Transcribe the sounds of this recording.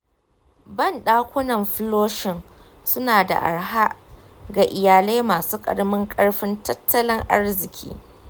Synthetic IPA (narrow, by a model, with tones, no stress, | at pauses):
bɐ˦˨nɗaː˦kʷʊ˦nɐ˨mɸloː˦ʃɪ˨ŋ | sʊ˦naː˨da̰˨ʔa̰˨ɽɦa˦ʔ | ɡa˨ʔɪ˨jaː˨le˦jmaː˨suː˦kʼɐ̰˨ɽmɪ˦ŋkʼɐ˦ɽɸɪ˦ntɐ˦tʰːɐ˦lɪ˦ŋʔa̰˦rzɪ˨kʲʰḭː˦